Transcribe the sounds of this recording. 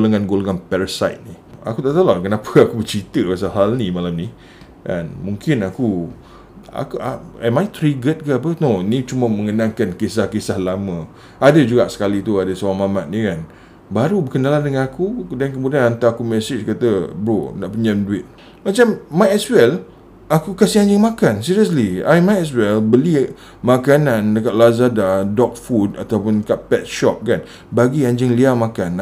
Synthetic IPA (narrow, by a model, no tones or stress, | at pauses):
ɡolaŋanɡolaŋanpɛɾasajt̪̚ni | a̰kut̪aʔt̪alaŋkənapʰəakubət͡ʃit̪əpas̬aɦalnimalamni | kanmuŋkɪnaku | a̰kʔaɛmajt̪ɾiɡət̪̚kaap̬ənonit͡ʃuməmə̃ŋənãŋkankesahkesahlamə̃ | adəd͡ʒuɡaʔsə̥kalit̪uadəswamamat̪̚nikan | baɾubəkənalandəŋanakudankəmudianant̪aakumɛsɪt͡ʃkat̪əbɾo̰na̰ʔpəɲəmduɪt̪̚ | mat͡ʃammajɛswɛl | akukasiaɲd͡ʒəŋmakansiɾiəs̬lia̰jmajɛswɛlbəli | makanãndəkat̪̚lazadadɔk̚fudat̪awpʊndəkaʔ̚pɛt̪̚ʃɔp̚kan | baɡiaɲd͡ʒəŋliamakan